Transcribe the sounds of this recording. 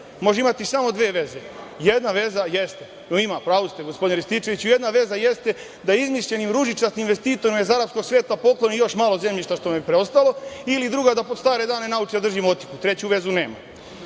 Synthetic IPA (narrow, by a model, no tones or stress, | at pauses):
mo̞ʒeimat̪isamo̞d̪ʋeːʋe̞ze̞jed̪naʋe̞zajest̪e | noimapɾaːʋust̪eɡospod̪inɾist̪it͡ʃe̞ʋit͡ɕuje̞d̪naʋe̞zaje̞st̪e̞ | d̪aizmiʃʎe̞nimɾuʒit͡ʃasninʋe̞st̪iːt̪o̞ɾimaizaɾapsko̞ɡsʋeːt̪apo̞klo̞nijo̞ʃmaːlˠo̞ze̞mʎiʃt̪aʃt̪o̞mepɾeo̞st̪alo̞ilid̪ɾuɡad̪apo̞d̪st̪aːɾe̞d̪aːne̞naut͡ʃd̪ad̪rʒimo̞t̪ikut̪ɾe̞t͡ɕuʋe̞zune̞ːma̰